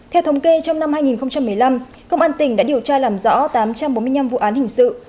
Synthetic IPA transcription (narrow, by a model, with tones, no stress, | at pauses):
t̪ʰɛ˧wt̪ə˨˦wŋ͡mke˧t͡ɕɔ˧wŋ͡mna˧mhaː˧jŋi˨˩nxə˧ŋ͡mt͡ɕa˧mːɨ˨˩əjla˧m | kə˧wŋ͡mʔaː˧nt̪ï˨˩ŋ̟ɗa̰ː˧˥ɗi˨˩əwt͡ɕaː˧laː˨˩mzɔ̰˧˥t̪aː˨˦mt͡ɕa˧mɓo˨˦nm˧əjɲna˧mvṵ˧˨ʔaː˨˦nhï˨˩ŋ̟sɨ̰˧˨